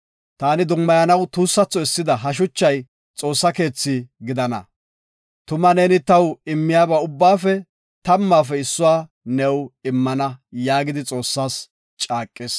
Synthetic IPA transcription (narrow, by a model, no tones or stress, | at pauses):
t̪aːnɪd̪ʊmːɐjɐnɐwt̪uːsːɐt͡sːɔɪsːɪd̪ɐɦɐʃ̬ʊt͡ʃːɐj | t͡sʼo̞ːsːɐke̞ːt͡sːɪɡɪd̪ɐnɐ̰ | t̪ʊmɐneːnɪt̪ɐwɪmːɪjaːbaːʊbːaːfɛ | t̪ɐmːaːfɛɪsːʊwaː | nɛwɪmːɐnɐjaːɡɪd̪ɪt͡sʼo̞ːsːaːs | t͡ʃʼaːkʼːɪs